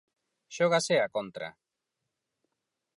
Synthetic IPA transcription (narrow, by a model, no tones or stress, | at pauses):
ʃoɣ̞aseakont̪ɾa̰